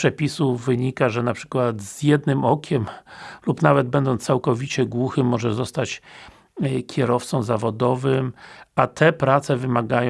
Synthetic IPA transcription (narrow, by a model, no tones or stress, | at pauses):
pʂɛpʲisuvɘɲikaʐɛnapʂɘ̥kwat̪z̥jɛd̪nɘmɔkʲɛmlupnavɛd̪̚bɛnd̪ɔnsawkɔvʲit͡ɕɛɡwuxɘmːɔʐɛzɔst̪at͡ɕ | kʲɛɾɔft̪sɔ̃w̃zavɔd̪ɔvɘmat̪ʰɛpɾat̪sɛvɘmaɡaj̃